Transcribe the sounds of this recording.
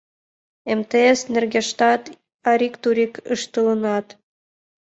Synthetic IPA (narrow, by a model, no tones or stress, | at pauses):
emt̪eesnerɡʲeʃt̪ɑt̪ | ɑɾʲikt̪uɾʲikəʃt̪ɤlɤ̆nɑt̪